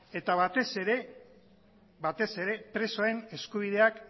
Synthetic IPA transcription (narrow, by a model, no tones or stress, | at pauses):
e̞t̪aβat̪eseɾe | bat̪e̞se̞ɾe̞pɾe̞soaɾe̞ne̞skuβ̞ið̞e̞ak